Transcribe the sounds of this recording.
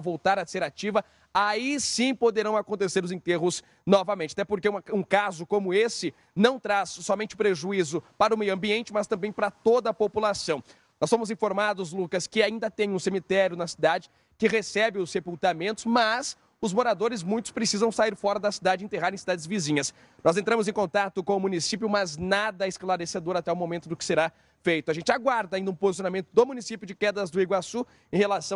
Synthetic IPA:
vowt̪aɾɐseɾat͡ʃivɐ | aisĩpod̪eɾɐ̃w̃akõnt̪eseɾʊzẽnt̪eɦʊs | nɔvɐmẽntt͡ʃɪat̪ɛpoɾkeɐũkazʊkõmʊesɪ | nɐ̃w̃t̪ɾasːɔmẽnt͡ʃɪʊpɾeʒuizʊpaɾɐʊmejuɐ̃mbiẽnt͡ʃɪmɐst̪ɐ̃mbẽj̃paɾɐt̪od̪ɐːpopulasɐ̃w̃ | nɔsfõmʊzĩfoɾmad̪ʊzlukɐskɪaĩnd̪ɐt̪ẽj̃ũsemit̪ɛɾjʊnɐsi̥d̪ad͡ʒɪ | kɪʁesɛbɪʊsːepult̪amẽnt̪ʊ̥zmɐs | ʊzmoɾad̪oɾɪzmũj̃t̪ʊ̥spɾesizɐ̃w̃saiɾfɔɾɐd̪ɐsid̪ad͡ʒɪẽt̪eɦaɾẽj̃sid̪ad̪ɪzvizĩɲɐs | nɔzẽnt̪ɾɐ̃mʊzẽkõnt̪at̪ʊkõʊmũnisip̬jʊmɐznad̪ɐɪsklaɾesed̪oɾat̪ɛʊmõmẽnt̪ʊd̪ʊkɪ̥seɾa | fejt̪ʊaʒẽnt͡ʃɪaɡwaɾd̪ɐaĩnd̪ɐũpozis̬jonamẽnt̪ʊd̪omunisipjʊd͡ʒɪkɛd̪ɾɐzd̪ʊiɡwasu | ẽhelasɐ̃

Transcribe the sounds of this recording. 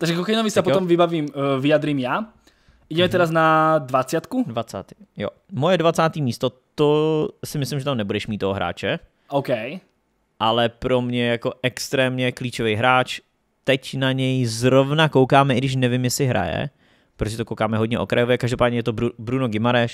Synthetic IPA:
t̪aɡʒɛkokajnovisapɔt̪ɔmvibaviːmvijad̪ɾiːmja | ʔiɟɛmɛt̪ɛɾaznad̪vat͡sɪat̪kudvat͡sa̰ːt̪ijo̰ | mojɛdvat͡saːt̪iːmiːst̪ot̪osɪmɪslɪmʒɛt̪amnɛbudɛʃmiːt̪ːoɦoɦɾa̰ːt͡ʃɛ | ʔowkɛj | ʔalɛpɾomɲɛjakoʔɛkst̪ɾɛːmɲɛkliːt͡ʃovɛjɦɾaːt͡ʃ | t̪ɛcnaɲɛjzɾovnakowkaːmɛʔɪɡdɪʃ̬nɛvɪmjɛsɪɦɾa̰jɛ̰ | pɾotoʒɛt̪okowkaːmɛɦodɲɛʔo̰kɾajovjɛkaʒdopaːdɲɛjɛt̪obɾubɾunoɡɪmaɾɛʃ

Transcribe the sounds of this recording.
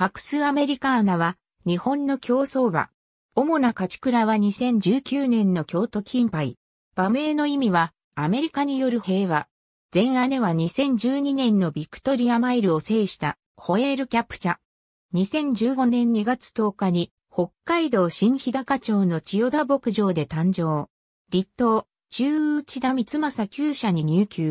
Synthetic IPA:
ɸakɯ̟̥sɨame̞ɾʲikaːnaβa | ɲ̟ihõ̞nːo̞kʲo̞ːso̞ːβa̰ | o̞mo̞nakat͡ɕi̥kɯ̟ɾaβaɲ̟isẽ̞ɲ̟d͡ʑɨːkʲɨːnẽ̞nːo̞kʲo̞ːt̪o̞kʲʰĩmpaḭ | b̥am̟e̞ːno̞imʲiβa | ame̞ɾʲikaɲ̟ijo̞ɾɯ̟he̞ːβa | z̥ẽ̞ɰ̃ane̞βaɲ̟isẽ̞ɲ̟d͡ʑɨːɲ̟inẽ̞nːo̞bʲikɯ̥t̪o̞ɾʲiamaiɾɯ̟o̞se̞ːɕi̥t̪a | ho̞eɾɯ̟kʲapːɯ̥t͡ɕa | ɲ̟isẽ̞ɲ̟d͡ʑɨːɡo̞nẽ̞ɲ̟ːiɡat͡sɨ̥t̪o̞ːkaɲ̟i | ho̞kːaid̪o̞ːɕĩɰ̃çid̪akat͡ɕo̞ːno̞t͡ɕijo̞d̪abo̞kɯ̟ʑo̞ːd̪e̞t̪ãɲ̟d͡ʑo̞ː | ɾʲit̪ːo̞ː | t͡ɕɨːɯt͡ɕid̪amʲit͡sɨmasakʲɨːɕaɲ̟iɲ̟ʲɨːkʲɨː

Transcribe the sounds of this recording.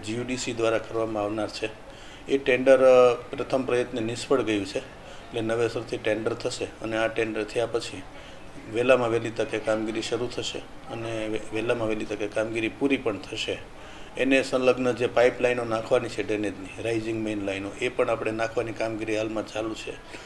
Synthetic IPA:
d͡ʒiuɖisid̪ʋaɾakəɾʋamãaʋnaɾt͡ʃʰe | eʈeɳɖəɾpɾət̪ʰəmpɾəjət̪nenɪsfəɽɡəjũt͡ʃʰeː | ʈlenəʋesəɾt̪ʰiʈeɳɖəɾt̪ʰəʃeəneaʈeɳɖəɾt̪ʰəjapət͡ʃʰi | ʋelamãʋelit̪əkekamɡiɾiʃəɾut̪ʰəʃḛ | əneʋelamãʋelit̪əkekamɡiɾipuɾipəɳt̪ʰəʃe | enesə̃ləɡnəd͡ʒepaiplainonãkʰʋanit͡ʃʰeɖenet̪niɾaid͡ʒĩŋɡmenlajnoʔepəɳapɽ̃enãkʰʋanikamɡiɾiɦalmãt͡ʃalũt͡ʃʰe

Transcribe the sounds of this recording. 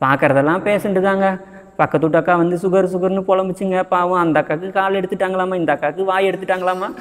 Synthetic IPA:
paːkːɐɾɐðɛlːãːmpeːsɐɳɖɨðaːŋɡɐ | pɐkːɐt̪ːuːʈːɐkːaːʋɐnd̪ɨsuɣɐɾsuɣɐɾnɨpɔɭɐmbit͡ɕːɯŋɡɐpaːʋũɐnd̪aːkːaːkːɨkaːleɽut̪ːɯʈːaːŋɡɐɭaːmaːind̪aːkːaːkːɨʋaːjeɽut̪ːɯʈːaːŋɡɐɭaːmaː

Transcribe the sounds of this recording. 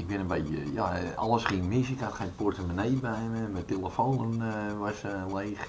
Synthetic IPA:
ɪk̚bɪnənbeːtəjaɑlˠəsχiənmɪsɪkatxaportəmanejbɛjmɛmɛtelˠəfoːnənʋasleːx

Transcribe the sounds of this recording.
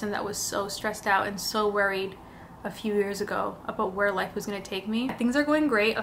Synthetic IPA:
sɨ̃nðɨ̰ʔwʌz̥soʊstɹ̥ɛstaʊɾɨ̰̃nsoʊwɛɹiɾ | ɨfjʉjɪɹzɨɡoʊʔəbaʊt̚wə˞laɪfwʌzɡʌñɨtʰeɪk̚mit̪̚θɪ̃ŋzə˞ɡoʊɪ̃ŋɡɹeɪt̚

